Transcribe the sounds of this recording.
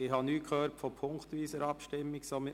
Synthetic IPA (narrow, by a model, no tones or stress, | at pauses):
ɪhɑnyːkʰhøːɾtfɔpʰʊŋkt̪ʋiːsəɾɑpʃtɪmːɪksom